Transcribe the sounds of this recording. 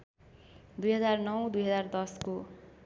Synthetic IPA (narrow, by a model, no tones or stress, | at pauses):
d̪ujɦʌd͡zarnʌwd̪ujɦʌd͡zard̪ʌsko